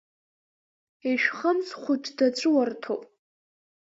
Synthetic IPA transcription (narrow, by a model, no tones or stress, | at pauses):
eʃᶣχəmsχʷʊt͡ʃʼdat͡ʃʷʼɨwartʰowpʼ